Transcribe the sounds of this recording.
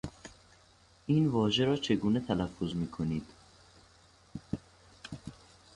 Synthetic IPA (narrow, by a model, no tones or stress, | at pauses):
ʔiːnvɒːʒeɾɒːt͡ʃʰe̞ɡuːnet̪ʰælæfːozmiːkʰoniːd̪̥